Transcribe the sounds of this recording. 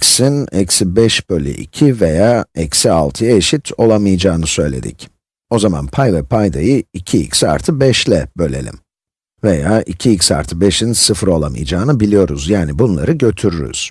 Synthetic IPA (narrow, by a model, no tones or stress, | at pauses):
csinɛcsibɛʃbølʲy̰ʔḭcʰivejaːɛcsialˠt̪ʰɯjaeʃit̪ʰo̞lˠamɯjɯd͡ʒaːnɯsø̞jlʲe̞̰d̪ḭc | o̞zama̰npʰajvɛpʰajd̪ajɯicʰiḭcsa̰ɾt̪ʰɯbɛʃlʲɛbø̞lʲe̞̰lʲḭm | vejaːʔicʰiicsa̰ɾt̪ʰɯbɛʃinsɯfɯɾo̞lˠamɯ̰jd͡ʒaːnɯbilʲijo̞ɾuzjaːnibunlˠaɾɯɟø̞t̪ʰyɾyɾy̰z̥